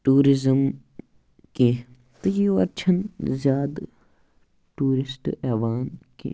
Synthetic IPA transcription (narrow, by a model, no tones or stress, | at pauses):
ʈuːɾɪzəm | ke | t̪ɐjioɐɾt͡ʃʰɐnzjaːd̪ | ʈuːɾɪsʈɛːʋaːnkḛ